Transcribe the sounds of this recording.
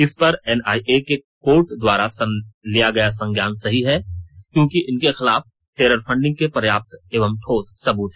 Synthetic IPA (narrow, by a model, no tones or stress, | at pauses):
ɪspɐɾɛnaːiʔekekoːɾʈd̪waːɾasɐlijaɡɐjasɐ̃ŋɡjaːnsɐɦiɦɛkjõːkiʔɪnkexɪlaːf | ʈeːɾəɾfʰɐ̃ɳɖɪ̃ŋɡ̚kepɾɐjaːp̚t̪eːʋəmt̪ʰoːt̪sɐbuːt̪ɦɛː